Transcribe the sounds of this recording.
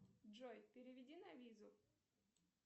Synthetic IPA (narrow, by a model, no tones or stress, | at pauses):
ʐojpʲɪɾʲɪvʲɪdʲinɐvʲizʊ